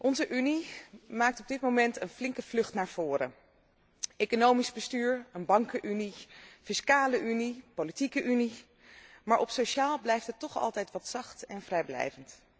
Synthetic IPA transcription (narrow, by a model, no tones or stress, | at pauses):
ʔɔnzəʔynimaːk̚tɔb̚dɪt̚mowmɛntənflɪŋkəv̥lɵχtnaːɹv̥ʊːrə̰ | ʔejkonowmizbəstyːɹənbɑŋkəʔynifɪskaːləʔynipolitikəʔyni | maːɹʔɔpsoʃaːlˠblɛjftətɔχɑ̰lˠtɛjtʋɑtsɑχtɛnvrɛjblɛ̰jvənt